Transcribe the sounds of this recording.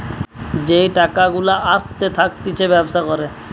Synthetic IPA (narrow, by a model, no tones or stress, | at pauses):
d͡ʑejʈakaɡulaʔast̪et̪ʰakt̪it͡ɕʰebɛbʃakɔɾe